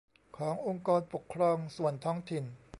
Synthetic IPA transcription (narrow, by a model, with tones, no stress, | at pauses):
kʰɔː˩˦ŋʔo˧ŋkɔː˧npo˨˩kʰːɾɔː˧ŋsu˨˩ənt̪ʰɔː˦˥ŋt̪ʰi˨˩n